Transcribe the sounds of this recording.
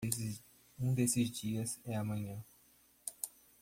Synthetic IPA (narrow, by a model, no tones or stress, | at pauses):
ũd̪esɪzd͡ʒiɐzɛɐmɐ̃ɲɐ̃